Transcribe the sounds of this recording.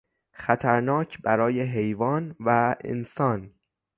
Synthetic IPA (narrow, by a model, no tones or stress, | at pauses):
xæt̪ʰæɾnɒːcʰbæɾɒːjeɦe̞jvɒːnvæḛnsɒːn